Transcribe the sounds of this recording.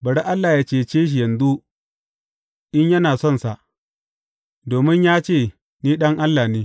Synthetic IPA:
bɐ˨ɽe˦ʔa˦lːaː˨jaː˦t͡ʃeː˦˨t͡ʃeː˦ʃ̬i˨jɐ˨nzu˦ | ʔɪ˦ɲjɐ˦naː˨sɔ˦nsa˨ʔ | doː˨mɪ˦ɲjaː˦t͡ʃeː˦˨ | niː˦ɗɐ˦ŋʔa˦lːaː˨neː˦

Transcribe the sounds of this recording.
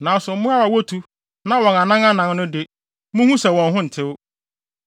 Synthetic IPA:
nã˨˦sʊ˨m̩˦mʊ̃˦a˦wa˨wo˦tʰu˦ | nã˦wɔ̃˨na˨nã˦ŋa˦nã˨ŋnʊ̃˦dɪ˦ | mʊ̃˦hũ˦sɛ˨wɔ̃˨nɦʊ̃˦n̩˨tʰɪ˦w

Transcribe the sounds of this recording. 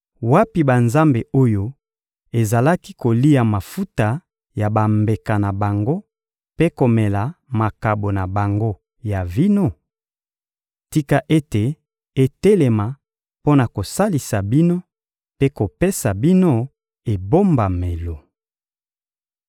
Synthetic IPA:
wa˦pi˨ba˨nza˦mbe˨o˦jo˦ | e˨za˨la˦ki˦ko˨li˦ja˨ma˨fu˦ta˨ | ja˨ba˨mbe˨ka˨na˨ba˨ŋɡo˦ | pe˦ko˨me˨la˨ma˨ka˨bo˨na˨ba˨ŋɡo˦ | ja˨vi˦no˦˨ | ti˦ka˨ʔe˦te˨ | e˦te˦le˨ma˨ | po˦na˨ko˨sa˦li˨sa˨bi˦no˦ | pe˦ko˨pe˦sa˨bi˦no˦ | e˨bo˦mba˨me˨lo˨

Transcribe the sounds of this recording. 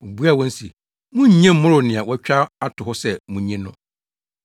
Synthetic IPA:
o˨bu˦a˨wɔ̃˦n̩˦sḭ˨ | mʊ̃˦ɲ˦ɲɛ̃˦mʊ̃˦ɾʊ˨nɪ̃˨a˨wɔ˦t͡ɕᶣa˦a˦tʰʊ˨hʊ˦sɛ˦mũ˨ɲɛ̃˦nʊ̰̃˦

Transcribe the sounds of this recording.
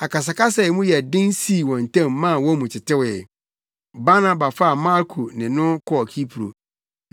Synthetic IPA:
a˨ka˨s̬a˨ka˦s̬ɛ˨mũ˦jɛ˨dɪ̃˦n˦si˦˨wɔ̃˨n˨tʰã˦˨mːã˦˨wɔ˦mũ˨t͡ɕʰɪ˨tʰɪ˦wɛ˨ | ba˦nã˦ba˨fa˦˨mã˦ɾkʰu˨nɪ̃˨nʊ̃˦kʰɔ˦˨kʰi˦pʰu˨ɾo̰˨

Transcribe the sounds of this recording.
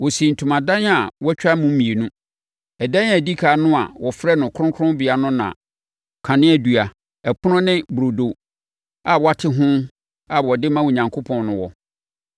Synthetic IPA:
wɔ˨sĩ˨n̩˨tʰũ˨mã˨dã˦n˦a˨wɔ˦t͡ɕᶣa˦mũ˦mĩ˨e˨nũ˦ | ɛ˨dã˦n˦a˨di˦kʰa˨˦nʊ̃˦a̰˨wɔ˨fɾɛ˦nʊ̃˨kʰʊ˦ʊ̃˦kʰɾʊ̃˦bi˨a˨nʊ̃˦nã̰˨ | kʰã˨nɪ̃˦æ˨du˨a˨ | ɛ˨pʰʊ˦ʊ̃˦nɪ̃˦bu˨ɾo˨do˨ | a˨wɔ˦a˦tʰɪ˦ɦʊ̃˦ | a˨wɔ˨dɪ˦mã˦wo˨ɲã˨ŋkʰo˦pʰɔ̃˨nnʊ̃˨wɔ̰˨

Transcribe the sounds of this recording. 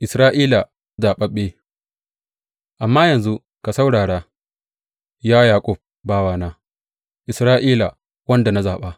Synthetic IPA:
ʔɪ˨sɾaː˦ʔiː˦la˨ | zaː˨ɓɐ˦ɓeː˦ | ʔa˨mːaː˦jɐ˨nzu˦ | ka˨sa˦wɽaː˨ɽaː˦ | jaː˦jaː˨kʼʊ˦˨b̚ | baː˦waː˦˨naː˦ | ʔɪ˨sɾaː˦ʔiː˦la˨ | wɐ˦nda˨na˦zaː˨ɓaː˦

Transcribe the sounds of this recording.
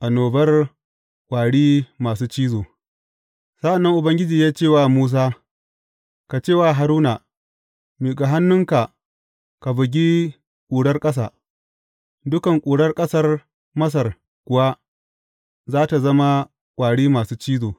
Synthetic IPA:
ʔa˨noː˨bɐ˦r | kʷʼaː˨ɽiː˦maː˨suː˦t͡ʃiː˦zoː˨ | sa˦ʔa˨nːɐ˦ŋʔʊ˨bɐ˦ŋɡʲɪ˦d͡ʒiː˨jaː˦t͡ʃeː˦˨waː˦˨muː˦s̬aː˦ | ka˨t͡ʃeː˦˨waː˦˨ɦa˨ɾuː˦na˨ | meː˨ɡa˨ɦa˦nːʊ˦ŋka˨ | ka˨bɪ˨ɡʲi˦ | kʷʼuː˨ɽɐ˦rkʼɐ˦s̬a̰ː˨ | dʊ˦kɐ˨ŋkʷʼuː˨ɽɐ˦rkʼɐ˦sɐ˦r | mɐ˦s̬ɐ˨r | kʷʊ˨wa˦ | zaː˦ta˨zɐ˦ma˦ | kʷʼaː˨ɽiː˦maː˨suː˦t͡ʃiː˦zoː˨

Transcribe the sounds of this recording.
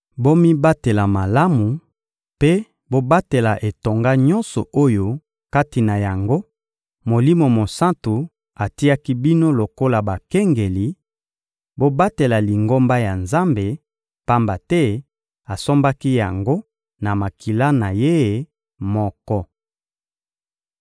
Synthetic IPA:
bo˦mi˦ba˦te˨la˨ma˨la˦mu˨ | pe˦ | bo˦ba˦te˨la˨ʔe˨to˨ŋɡa˦ɲɔ˦nsɔ̰˨o˦jo˦ | ka˦ti˨na˨ja˨ŋɡo˦ | mo˨li˦mo˨mo˨sã˦ntu˨ | a˨ti˦a˦ki˦bi˦no˦lo˨ko˦la˨ba˨kɛ˦ŋɡe˨li˨ | bo˦ba˦te˨la˨li˨ŋɡo˦mba˦ja˨nza˦mbe˨ | pa˦mba˨tɛ˦ | a˨so˦mba˦ki˦ja˨ŋɡo˦ | na˨ma˨ki˨la˦na˨je˦e˨ | mɔ˦kɔ˦

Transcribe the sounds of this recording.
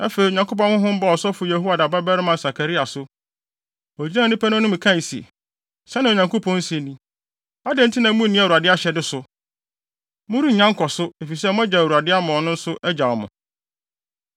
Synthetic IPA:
ɛ˦fe˨i˨ɲã˨ko˦p̬ɔ̃˦nhʊ̃˦ɦʊ̃˦m̩˦ba˦˨ɔ˨sɔ˦fʊ˨je˨ɦu˦a˨da˨ba˦bɛ˦ɾɪ˦mã˨sa˨kʰa˨ɾi˦a˨sʊ˦ | ɔ˨d͡ʑi˦nã˦˨˦nĩ˦pʰæ˦nʊ̃˦nʊ̃˦m̩̃˨kʰã˦˨n˨si˨e˨ | sɛ˦nã˨o˨ɲã˨ŋko˦pʰɔ̃˦n̩˦si˨nĩ˦ | a˦dɪ̃˦n̩˦tʰi˦nã˨˦mũ˦nĩ˦a˨u˨a˨dɪ˦a˦ɕɛ˨dɪ˦sʊ˨ | mʊ̃˦ɾi˦˨ɲã˦ŋkʰɔ˨sʊ˦e˨fi˨s̬ɛ˦mʊ̃˦æ˦d͡ʑa˨u˨a˨dɪ˦a˦mʊ̃˨ɔ˨nʊ̃˦n̩˦sʊ˦ʔɛ˦d͡ʑa˨ɔ˨mʊ̰̃˨

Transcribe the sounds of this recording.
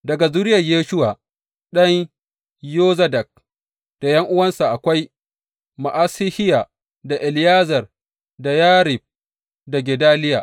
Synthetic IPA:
dɐ˨ɡa˨zuː˦ɾɪ˦jɐ˨jeː˦ʃʊ˦wa˨ | ɗɐ˦ɲ | joː˦zɐ˦dɐ˨k̚ | d̥a˨jɐ˦ŋʔʊ˦wɐ˦nsa˨ʔa˨kʷa˦j | ma˨ʔaː˦sɪ˦hɪ˦ja˨ | da˨ʔɪ˨lɪ˦jaː˦zɐ˨r | da˨jaː˦ɾɪ˨b̚ | da˨ɡʲɛ˨daː˦lɪ˦jaː˨

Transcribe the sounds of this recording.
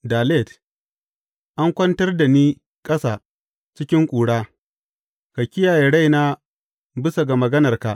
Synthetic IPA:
daː˨le˦˨d | ʔa˦ŋkʷɐ˦ntɐ˦rda˨niː˦ | kʼɐ˦saː˨ | t͡ʃɪ˦kʲɪ˦ŋkʷʼuː˨ɽaː˦ | ka˨kʲɪ˦jaː˨je˨ɽa˦jna˦ | bɪ˦sa˨ɡa˨mɐ˨ɡɐ˦nɐ˨rka˨ʔ

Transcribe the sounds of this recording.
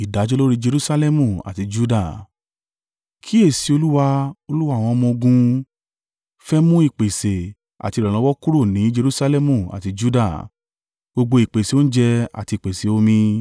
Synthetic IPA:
i˨da˨˦d͡ʒo˦lo˦ɾi˦d͡ʒe˧ɾu˦sa˧lɛ˦mũ˨a̰˨ti˧d͡ʒu˦da˦˨ | kʰi˦e˦˨si˨˧˦o˧lu˦wa˧o˧lu˦wa˦˨w̃ɔ̃˧ɔ˧mɔ̃˧o˧ɡũ˧ | fɛ˦mũ˦i˦˨k͡pe˨se˨ | a̰˨ti˧ɾɔ˨lɔ̃˨˧˦wɔ˦ku˦ɾo˦˨nĩ˨˦d͡ʒe˧ɾu˦sa˧lɛ˦mũ˦˨a̰˨ti˧d͡ʒu˦da˦˨ | ɡ͡bo˧ɡ͡bo˧i˨k͡pe˨se˨˦o˦n̩˦d͡ʒɛ˧a̰˨ti˧˨k͡pe˨se˨o˦mĩ˧

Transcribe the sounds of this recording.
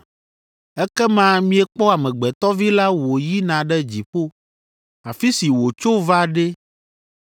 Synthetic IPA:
ɛ˦kɛ˦mã˦mĩ˦ɛ˨k͡pɔ˦a˨mɛ̃˨ɡ͡bɛ˨t̪ɔ˦vi˦la˦wo˨ji˦nã˨ɖɛ˦d͡ʑi˨ɸo˦ | a˨fi˦si˨wo˨t͡ʃo˦va˦ɖe˦

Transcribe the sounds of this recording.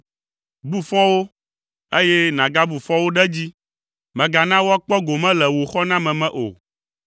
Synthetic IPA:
bu˦fɔ̃˦wo˦ | e˦jɛ˦nã˨ɡa˦bu˨fɔ̃˦wo˦ɖɛ˦d͡ʑi˦ | mɛ̃˨ɡa˨nã˦wo˦a˦k͡pɔ˦ɡo˨mɛ̃˦lɛ˨wo˨xɔ˦nã˦mɛ̃˨mɛ̃˨ʔo̰˨

